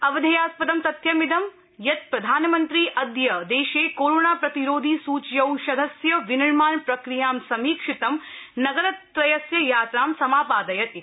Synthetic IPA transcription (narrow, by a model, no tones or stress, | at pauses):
ɐʋɐd̪ʱɐjaːspɐd̪ɐmt̪ɐt̪jɐmid̪ɐm | jɐt̪̚pɾɐd̪ʱaːnɐmɐnt̪ɾiːʔɐd̪jɐd̪eːʃeːkoːɾoːnaːpɾɐt̪iɾoːd̪ʱiːsuːt͡ʃjɐwʃɐd̪ʱɐsjɐʋinɐɻmaːnpɾɐkɾijaːmsɐmiːkʂit̪ɐmnɐɡɐɾɐt̪ːɾɐjɐsjɐjaːt̪ɾaːmsɐmaːpaːd̪ɐjɐt̪